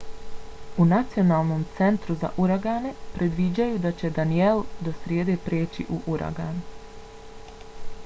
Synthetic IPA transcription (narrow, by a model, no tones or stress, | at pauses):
unat̪sio̞naːlˠno̞mt̪se̞nt̪ɾuza̰ʔuɾaɡaːne̞pɾe̞d̪ʋid͡ʑajud̪at͡ɕe̞d̪anield̪o̞sɾjeːd̪e̞pɾeːt͡ɕḭʔuʔuɾʔa̰ɡa̰ːn